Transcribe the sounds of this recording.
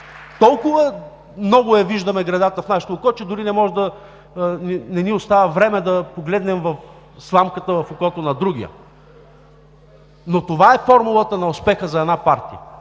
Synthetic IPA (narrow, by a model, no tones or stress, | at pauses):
t̪ɔlˠkʊvə | mnɔɡʊɛviʒd̪ɐmɛɡɾɐd̪at̪əfnaʃɛ̥t̪oːkɔt͡ʃɛd̪ʊɾinɛmɔʒɛd̪ɐ | ninɛniʊst̪avəvɾɛmɛd̪ɐpoɡlɛd̪nɛmvɐf | slˠamkət̪əvɐfoʊkɔt̪onɐd̪ɾuɡ̟ijə̰ | not̪ovaɛfɔɾmulˠət̪ənɐʊspɛxəzɐɛd̪napaɾt̪ijə